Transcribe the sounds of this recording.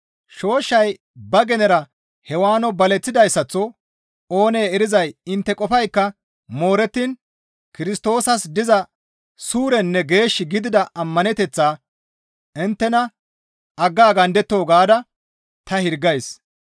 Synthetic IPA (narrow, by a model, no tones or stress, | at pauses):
ʃo̞ːʃːɐj | bɐɡɛnɛɾɐ | hɛwaːnɔbɐlɛt͡sːɪd̪ɐjsːɐt͡sːɔ | o̞ːne̞ːɛɾɪzɐjɪnt̪ːɛkʼɔfɐjkːɐ | mo̞ːɾɛt̪ːiːn | kɪɾɪst̪o̞ːsɐsd̪ɪzɐ | suːɾɛnːɛɡe̞ːʃːɪɡɪd̪ɪd̪ɐʔɐmːɐnɛt̪ɛt͡sːaː | ɪnt̪ːɛnɐ | ʔɐɡːaːɡɐnd̪ɛt̪ːo̞ːɡaːd̪ɐ | t̪ɐhɪɾɡɐjs